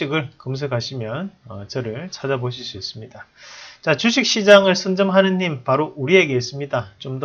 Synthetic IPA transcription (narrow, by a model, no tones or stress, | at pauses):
iɡɯɭkɯms̬ʰɯkʰaɕʰimjʌnʌt͡ɕʌɾɯɭt͡ɕʰad͡ʑaboɕ̬ʰis͈ʰues͈ɯmɲidat͡ɕat͡ɕuɕʰik̚ɕ͈id͡ʑaŋɯɭsʰɯnd͡ʑɯmɦanɯnːimpaɾoʔuɾie̞ɡe̞ɦes͈ɯmɲidat͡ɕomd